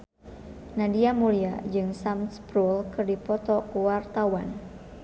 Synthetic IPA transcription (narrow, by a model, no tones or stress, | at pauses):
nadiamuliad͡ʒɨŋsamspɾulkɨrdipɔt̪ɔkuwart̪awan